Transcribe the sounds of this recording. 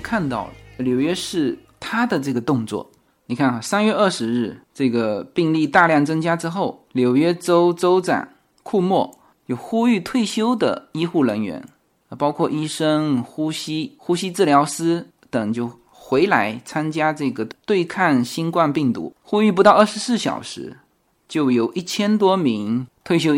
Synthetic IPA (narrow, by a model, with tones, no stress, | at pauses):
kʰa˥˧nt̪ɑ˥˩ʊljo˨˩ʊɥɛ˥ʂɻ̩˥˩ | t̪ʰa˥d̪ə˨ʈ͡ʂɤ˥˩ɡə˩t̪ʊ˥˧ŋt͡swɔ̰˥˩ | ni˨˩kʰa˥˩nxa˨˩sa˥nɥɛ˥˧ə˞˥˩ʂɻ̩˧˥ɻɻ̩˥˩ʈ͡ʂɤ˥˩ɡə˩pi˥˧ŋli˥˧t̪a˥˧ljɑ˥˩ŋt͡sɤ˥ŋt͡ɕja˥ʈ͡ʂɻ̩˥xo˥˩ʊljo˨˩ʊɥɛ˥ʈ͡ʂo˥ʊt͡so˥ʊt͡sa̰˨˩˦n | kʰu˥˧mwɔ˥˩ | t͡ɕjo˥˩ʊxu˥y˥˧t̪ʰwe˥˩ɪɕjo˥ʊd̪ə̰˨i˥xu˥˩ɻə˧˥nɥɛ̰˧˥n˧ | pɑ˥ʊkʰwɔ˥˩ʔi˥ʂɤ˥ŋxu˥ɕi˥xu˥ɕi˥t͡sɹ̩˥˩ljɑ˧˥ʊsɹ̩˥ | t̪ə˨˩ŋt͡ɕjo˥˩ʊ | xwe˧˥ɪla˧˥ɪt͡sʰa˥nt͡ɕja˥ʈ͡ʂɤ˥˩ɡə˩t̪we˥˧ɪkʰa˥˩nɕi˥nkwa˥˧npi˥˩ŋt̪ṵ˧˥xu˥y˥˩p̬u˧˥t̪ɑ˥˧ʊə˥˩ʂɻ̩˧˥sɹ̩˥˩ɕjɑ̰˨˩ʊʂɻ̩˧˥ | t͡ɕjo˥˩ʊjo˨˩ʊʔi˥˩t͡ɕʰjɛ˥nt̪wɔ˥mi˧˥ŋt̪ʰwe˥˩ɪɕjo˥ʊ